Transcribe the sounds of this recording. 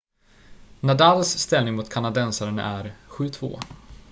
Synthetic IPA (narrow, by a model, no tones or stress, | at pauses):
nad̪alːsːt̪ɛlnɪŋmʊt̪kʰanad̪ɛnsaɾən̰æɾɧʉ̟ːt̪ʰv̥o̰ː